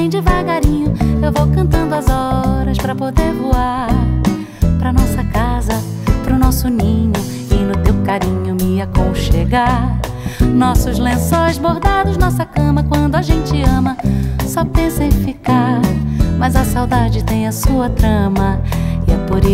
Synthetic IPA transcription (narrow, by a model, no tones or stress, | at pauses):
ẽj̃d͡ʒɪvaɡaɾĩɲʊewvowkɐ̃nt̪ɐ̃nd̪ʊɐzɔɾɐspɾɐpod̪eɾvoaɾ | pɾɐnɔsɐkazɐ | pɾʊnɔsʊnĩɲʊ | ɪnʊt̪ewkaɾĩɲʊmiɐkõw̃ʃeɡaɾɾ | nɔsʊzlẽsojzboɾd̪ad̪ʊznasɐkɐ̃mɐkwɐ̃nd̪ʊaʒẽnt͡ʃɪɐ̃mɐsɔpẽsɐẽfika | mɐjzɐsawd̪ad͡ʒɪt̪ẽj̃ɐsuɐt̪ɾɐ̃mɐɪɛpoɾe